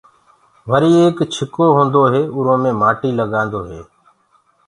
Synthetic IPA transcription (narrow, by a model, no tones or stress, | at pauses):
ʋəɾiːeːkt͡ʃʰɪkoːɦõːnd̪oːɦeːʊɾõːmẽːmaːʈiːləɠãːnd̪oːɦeː